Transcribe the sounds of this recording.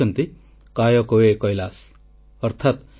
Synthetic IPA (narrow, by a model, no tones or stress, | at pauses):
ʌnt̪i | kajɔkowekɔjlas | ʌɾt̪ʰat̪